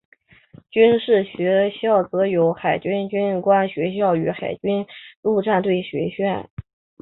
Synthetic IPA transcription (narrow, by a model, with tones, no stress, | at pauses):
t͡ɕy˥nʂɻ̩˥˩ɕɥɛ˧˥ɕjɑ˥˩ʊt͡sɤ˧˥jo˧˥ʊxa˨˩ɪt͡ɕy˥nt͡ɕy˥nkwa˥nɕɥɛ˧˥ɕ̬jɑ˥˩ʊy˧˥xa˨˩ɪt͡ɕy˥nu˥˧ʈ͡ʂa˥˧nt̪we˥˩ɪɕɥɛ̰˧˥ɕɥɛ˥˩n